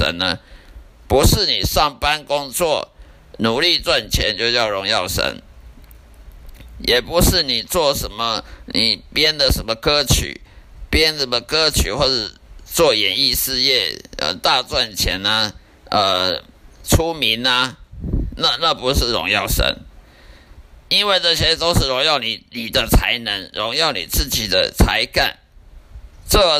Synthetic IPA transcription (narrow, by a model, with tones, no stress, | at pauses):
ə̰˧˦nə˦ | pu˧˦˥ʂɻ̩˥˩ni˨˩ʂɑ˥˩ŋpa˦nkʊ˦ŋt͡swɔ˥˨˩ | nu˨˩li˥˧t͡swa˥˩nt͡ɕʰjɛ̰˨˧˦nt͡ɕjo˥˧ʊt͡ɕjɑ˥˩ʊɻʊ˧˥ŋjɑ˥˨ʊʂə̰˧˥n | jɛ˨˩pu˨˦ʂɻ̩˥˩ni˨˩t͡swɔ˥˩ʂə˧˦nmə˧ni˨˩pjɛ˦nd̪ə˨ʂə˧˦nmə˨kɤ˥t͡ɕʰy̰˨˩pjɛ˥˦nə˨˩mə˨kɤ˥t͡ɕʰy̰˨˩˦xwɔ˥˩t͡sə˨˩t͡swɔ˥˩jɛ˨˩ni˥˧ʂɻ̩˥˧jɛ˥˩ə̰˨˧t̪a˥˧t͡swa˥˩nt͡ɕʰjɛ̰˧˥nə˧ | ə˧ | ʈ͡ʂʰu˥mi˧˦nɐ˧ | na˥˧na˥˩pu˧˥ʂɻ̩˥˩ɻʊ̰˧˥ŋjɑ˥˩ʊʂə̰˧˥n | i˥nwe˥˩ɪʈ͡ʂə˨˩t͡ɕʰɛ˧˥˨t̪o˥ʊʂɻ̩˥˩ɻʊ˧˥ŋjɑ˥˩ʊni˨˩ni˨˩d̪ə˦t͡sʰa˧˥ɪnə˧˥ŋɻʊ˧˥ŋjɑ˥˩ʊnḭ˨˩t͡sɹ̩˥˩t͡ɕi˨˩d̪ə̰˦t͡sʰa˧˥ɪka˥˩n | ʈ͡ʂə˥˩